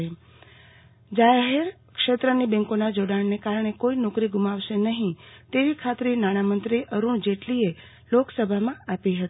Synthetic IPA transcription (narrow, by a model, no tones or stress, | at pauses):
e | d͡ʒaɦeɾ | kʃet̪ɾənibɛ̃ŋkonad͡ʒoɽaɳnekaɾɳ̃ekoinɔkɾiɡumaʋʃenəɦĩt̪eʋikʰat̪ɾinaɽ̃amənt̪ɾiʔəɾuɳd͡ʒeʈlie | loksəbʱamãapiɦət̪i